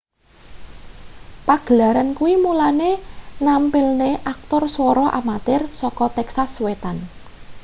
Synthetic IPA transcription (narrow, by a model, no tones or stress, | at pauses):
paɡ̥əlaɾankuwimulanenampɪlneʔak̚t̪ʊrswɔɾɔʔamat̪ɪrsɔkɔt̪ɛksaswet̪an